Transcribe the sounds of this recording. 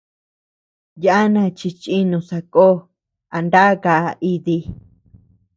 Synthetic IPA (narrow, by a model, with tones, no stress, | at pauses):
ja˦a˦nã˧˨t͡ʃi˧t͡ʃi˦nũ˧sa˧ko˦ | a˨nd̪a˦ka˨˧i˧ði˧